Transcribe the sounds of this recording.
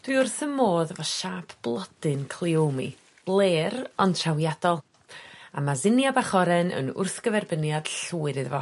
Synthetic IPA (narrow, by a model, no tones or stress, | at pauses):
d̥wɨʊrθəmːoːðvɔʃaːpʰb̥lˠɔdɨnkʰl̥ˠiomḭ | b̥lˠeːɾɔntʰrawjadɔlˠ | amazɪnjabaχɔɾɛnə̰nʊ̰rθɡ̥əvɛrbənjad̥ɬuːɨɾɨðvɔ